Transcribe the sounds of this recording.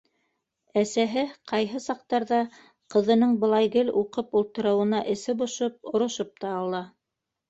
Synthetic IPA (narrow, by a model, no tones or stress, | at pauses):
æsæɦɘqʰɑjɦɤsɑq̚t̪ɑɾðɑ | qɤ̆ðɤ̆nɤɴbɤ̆lˠɑjɡɘluqɤpulˠt̪ɤ̆ɾɤ̆wɤ̆nɑʔɘ̆sɘbŏʃop̚ŏɾŏʃop̚t̪ɑːlˠɑ